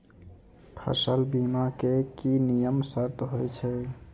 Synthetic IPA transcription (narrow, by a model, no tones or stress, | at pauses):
pʰə̰səlbimakekinijəmsəɾt̪ɦojt͡ʃʰɛ